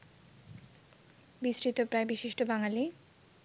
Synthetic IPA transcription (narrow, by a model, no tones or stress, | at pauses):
bisɾit̪opɾaebiʃiʃʈobaŋali